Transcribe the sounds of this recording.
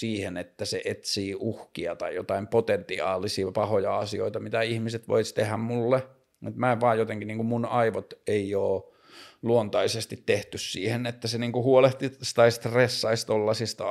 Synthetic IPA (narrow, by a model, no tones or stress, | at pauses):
siːhenet̪ːæseʔet̪siːuhkiɑt̪ɑijot̪ɑimpot̪ent̪iɑ̰ːlisipɑhojɑɑsio̰it̪ɑmit̪æihmiset̪ʋo̰ist̪ehæmmulːe | mut̪mæːʋɑːjjot̪eŋkiniːŋkummunɑiʋot̪eioː | luont̪ɑisest̪it̪t̪eht̪yssiːhenet̪ːæseniːŋkuhuoleht̪ist̪ɑist̪resːɑist̪olːɑsist̪ɑ